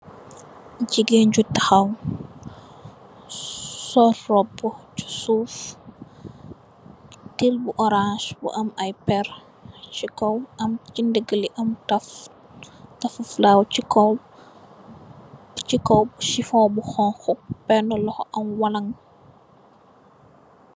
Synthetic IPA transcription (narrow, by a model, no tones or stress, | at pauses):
ɟiɡeɲɟutɐxɐw | sɔrːɔbːɔt͡ʃu̥suːf | tilbuʔɔɾãʃbṵʔɐmɐjpɛr | t͡ʃikɔwɐmt͡ʃindəɡəliʔɐmtɐf | tɐfɐflawcikɔ | t͡ʃikɔwbʃifɔːbuxɔnxuk̚pɛnɔlɔxɔʔɐmwɐlɐŋ